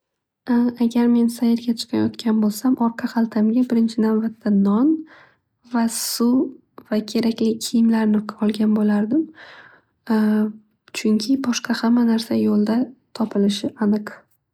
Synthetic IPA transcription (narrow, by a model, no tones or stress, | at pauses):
aɡʲaɾme̞nsajɪɾɡʲat͡ʃʰɨ̥qʰɑjɒ̰t̪kʲʰanbolˠsamʔɒɾqʰɑqalˠt̪ʰamɡʲabɪɾɪnt͡ʃʰɪnavbat̪ʰːanɒn | vasʊ | vakʲʰe̞ɾakʲlɪkʲʰɪjɪmlaɾnɪɒlˠɡʲanbolaɾd̪ɪm | t͡ʃʰʊŋkʲʰɪbɒʃqʰɑhamːanaɾsajolˠd̪at̪ʰɒpʰɪlɪʃɪʔanɨq